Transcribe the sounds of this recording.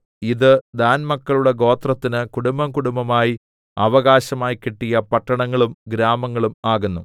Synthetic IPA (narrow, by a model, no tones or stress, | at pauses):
iðɨd̪aːnmɐkːɐɭuɽeɡo̞ːt̪rɐt̪ːinɨkuɽumbɐmkuɽumbɐmaːji | ɐʋɐɣaːɕɐmaːjikeʈːijɐpɐʈːɐɳɐŋːɐɭumɡɾaːmɐŋːɐɭumaːɣunːu